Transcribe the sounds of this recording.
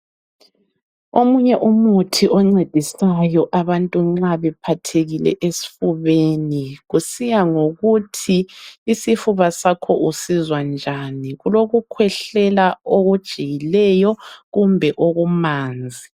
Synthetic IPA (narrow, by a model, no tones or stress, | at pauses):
omuɲɛʔumutʰiʔɔŋ͡ǀed̥ʱisajɔʔaβantʼuŋ͡ǁaβɛpʰatʰeɣilɛ̰ʔesi̥fuβeniɣusijaŋoɣutʰiːsifuβasakʰɔʔusizwand͡ʒʱaniɣuloɣukʰwɛɬɛlaoɣud̥ʒ̥ʱijilɛjɔɣumbʱɛʔoɣumaːnd͡zʱi